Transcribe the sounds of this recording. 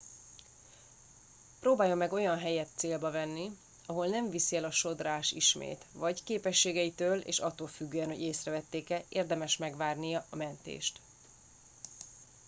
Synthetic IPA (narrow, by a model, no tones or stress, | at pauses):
proːbaːjːo̞mːɛɡo̞jɒnɦɛjɛt̪seːlbɒvɛnːi | ɒɦo̞lnɛɱvisiɛlɒʃo̞d̪raːʃḭʃmḛːt̪vɒɟkeːpɛʃːeːɡɛjit̪øːlḛːʃɒt̪ːoːlfyɡːøːɛnho̞̰ɟeːsrɛvɛt̪ːeːkɛeːrd̪ɛmɛʃmɛɡʋaːrnijɒʔɒmɛnt̪ḛːʃt̪